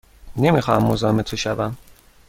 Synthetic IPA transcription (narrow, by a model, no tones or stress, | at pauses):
ne̞mixɒːhæmːozɒːhemet̪ʰoʃævæm